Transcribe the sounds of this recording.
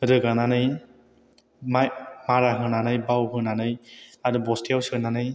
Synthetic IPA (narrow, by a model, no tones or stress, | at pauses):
ɾɯɡananɯj | mamaɾaɦɯnanɯjbawɦɯnanɯjadubɔstijawsɯnanɯj